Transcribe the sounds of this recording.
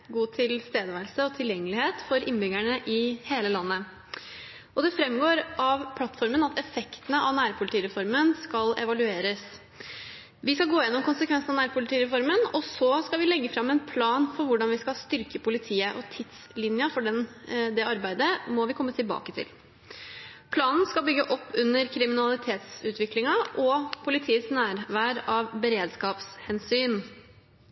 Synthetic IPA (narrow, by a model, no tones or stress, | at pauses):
ɡuːt̪ʰɪlst̪eːd̪əʋæɾlsəɔt̪ʰɪljɛŋːəlɪheːt̪fɔɾɪnːbʏɡæɳəʔɪheːləlɑnːə | ɔd̪ɛfɾɛmːɡoːɾʔɑʋpʰlɑt̪ːfɔɾmənɑt̪ʰɛfɛkt̪ənəʔɑʋnæːɾpʰʊlɪt̪iːɾɛfɔɾmənskɑlɛ̰ʋɑlʉeːɾəs | ʋɪskɑlɡoːɪjɛnːɔmkʊnsəkʰʋɛnsnɑnæːɾpʰʊlɪt̪ʰiːɾɛfɔɾmənɔsɔskɑʋɪlɛɡːəfɾɑmːɛnpʰlɑːnfɔɾʋʊɖɑnʋɪskɑlst̪ʏɾkəpʊlɪt̪ʰiːəʔɔt̪ʰɪt̪slɪnjəfɔɖɛnd̪ɛɑɾbæɪd̪əmɔʋɪkʰɔmːət̪ʰɪlbɑ̰ːkət̪ʰɪ̰l | pʰlɑːnn̩skɑlbʏɡːəʔɔpːʉnːəɾkʰɾɪmɪnɑlɪt̪ʰeːt̪sʉːt̪ʰʋɪklɪŋɑʔɔpʰʊlɪt̪ʰiːəsnæːɾʋæːɾɑʋbəɾeːd̪skɑːpshɛnsyːn